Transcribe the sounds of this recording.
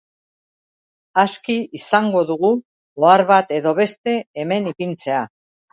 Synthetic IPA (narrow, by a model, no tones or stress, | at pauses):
askiisaŋɡo̞ðuɣu | oaɾβat̪e̞ðo̞βe̞st̪e̞ːme̞nipint͡se̞a